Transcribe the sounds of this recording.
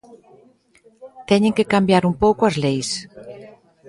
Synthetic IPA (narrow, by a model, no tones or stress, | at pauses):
t̪ɛɲẽŋkekambjaɾumpowkʊɐzlejs